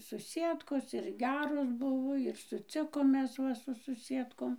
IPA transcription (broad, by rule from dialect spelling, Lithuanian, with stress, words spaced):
sʊˈsʲiɛtkoːs ɪr ˈɡʲæːroːs ˈbʊʋoː ɪr sʊˈt͡sʲɪkoːm ˈmʲɛs ˈʋɐ sʊ sʊˈsʲiɛtkoːm